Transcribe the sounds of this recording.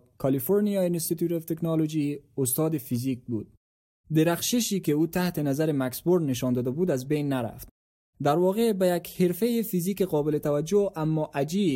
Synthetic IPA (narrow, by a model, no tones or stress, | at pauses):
kʰalifoɾnijɒjeɪnst̪it̪jut̪ɔft̪eknɑlod͡ʒiʊst̪ɔd̪ɪfizik̚bud̪̚ | d̪ɪɾaxʃɪʃikɪut̪aht̪ɪnazaɾɪmaksboɾd̪nɪʃ̬ɒnd̪ɔːd̪abud̪azbejnːaɾa̰ft̪̚ | d̪aɾwɒɣebajakheɾfejɪfizikeqɔbɪlɪt̪awad͡ʒoamːɔʔad͡ʒi